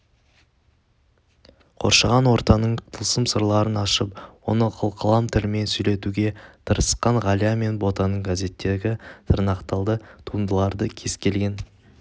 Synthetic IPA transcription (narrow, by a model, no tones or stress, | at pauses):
qʰo̞̰ɾʃɑʁɑnwo̞ɾt̪ɑnəɴt̪ʰəlˠsəmsəɾlˠɑɾənɑʃəp̚wo̞nəqʰəlˠqʰəlˠɑmt̪ʰɪlɪme̞nsɵjle̞t̪uɡʲe̞t̪ʰəɾəsqɑɴʁɑlʲijame̞nbo̞t̪ɑnəɴɡaze̞t̪ːe̞ɡʲɪt̪ʰəɾnɑqt̪ɑlˠd̪ət̪ʰuənd̪əlˠɑɾd̪əkʲʰe̞zkʲe̞lɡʲe̞n